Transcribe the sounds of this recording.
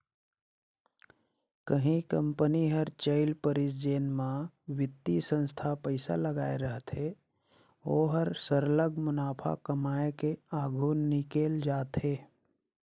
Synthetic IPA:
kəɦĩkə̃mpəniɦəɾt͡ʃəɪlpəɾɪsd͡ʒeːnmã | wɪt̪ːisə̃nst̪ʰapəɪsa̰ləɡaːeɾəɦt̪e | oːɦəɾsəɾləɡmʊnaːpʰa̰kəmaːekeaːɡʱuːnːɪkeːld͡ʒaːt̪eː

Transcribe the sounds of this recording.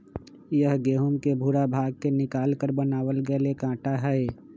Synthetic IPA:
jəɦɡeːɦʊmkebʱuɾabʱaːɡ̚kenɪkaːlkəɾbənaːwəlɡəelekãːʈaɦɛe

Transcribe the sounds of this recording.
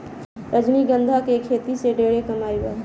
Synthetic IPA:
ɾəd͡ʒniɡə̃nd̪ʱakekʰeːt̪iseɖeːɽekɐmaːɾiba̰ːɾ

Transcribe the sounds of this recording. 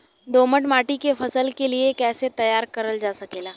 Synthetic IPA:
d̪oːməʈmaːʈikefʰɐsəlkeliekɛːset̪ɐjaːɾkɐɾəld͡ʒaːsɐkeːlaː

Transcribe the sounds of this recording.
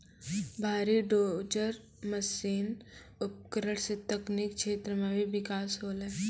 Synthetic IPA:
bʱaːɾiɖoːd͡ʒəɾ | mɐsiːn | ʊp̚kəɾəɽ̃set̪ɐknik̚t͡ʃʃʰeːt̪ɾəmẽbʱiʋɪkaːsɦoːleː

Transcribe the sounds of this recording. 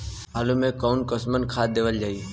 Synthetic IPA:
aːlũmẽkɔːʊnkəsmənkʰaːd̪eːʋəld͡ʒaːi

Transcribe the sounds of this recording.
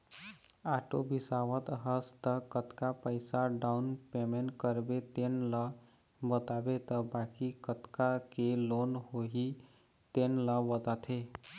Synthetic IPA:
aʈobisaʋət̪ɦəst̪əkət̪kapəɪsaɖaunpemeɳʈkəɾbet̪enlə | bət̪abet̪əbakikət̪kakelonɦoɦi | t̪enləʋət̪at̪ʰe

